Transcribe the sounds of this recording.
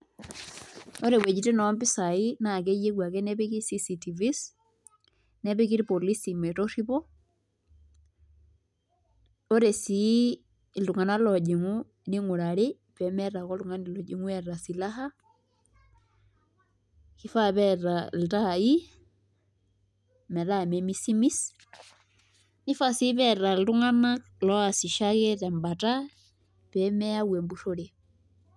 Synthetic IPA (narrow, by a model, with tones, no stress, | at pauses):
o˦ɾe˨wɛ˨d͡ʒi˨te˦nɔ˨˦mbi˦sa˨i˦na˨ke˦je˦kwa˨kɛ˦nɛ˦pe˦ki˦si˦si˨ti˨vi˦s | nɛ˦βe˦k̬i˦ɾpo˨li˦si˨mɛ˨tɔ˦ri˦βɔ˦ | o˦ɾe˨si˨˦˨ | ldu˨ŋa˨na˦lɔ˨d͡ʒe˨ŋu˦ | ni˦ŋo˨ɾa˨ɾe˦ | pɛ˨mɛ˦ra˨kɔ˦ltu˨ŋa˦ni˨lɔ˨d͡ʒe˨ŋwɛ˦˨ra˨si˨la˦ɦa˦ | ki˦fa˦βɛ˦ɾa˨l̩tai˦ | mɛ˨ɾa˦mɛ˨mi˦si˦mi˦s | ni˦fa˦si˦βɛɾa˨llu˦ŋa˦na˦k | lɔ˦a˨si˨ʃa˦ɣɛ˦ta˨mba˨ta˦ | pɛmɛ˦a˦wɛ˨mbu˦ɾo˦ɾe˨